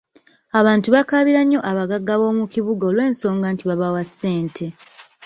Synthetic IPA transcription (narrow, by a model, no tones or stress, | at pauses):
aβaːntuβakaβiɾaɲːo̞ʔaβaɡaɡːaβo̞ːmuciβuɡaoːlwe̞ːnso̞ːŋɡaːntiβaβawasːe̞ːntʰe̞